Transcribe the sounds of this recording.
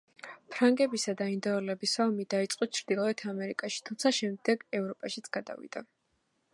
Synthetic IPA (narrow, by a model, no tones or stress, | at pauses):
pʰɾaŋɡɛbisad̪aind̪ɔɔlɛbisaɔmid̪ait̪sʼqʼɔt͡ʃʰɾd̪̥ilˠɔɛt̪ʰamɛɾikʼaʃi̥t̪ʰumt̪sʰaʃɛmd̪ɛɡɛvɾɔpʼaʃit̪sʰɡ̥ad̪a̰vḭd̪̥a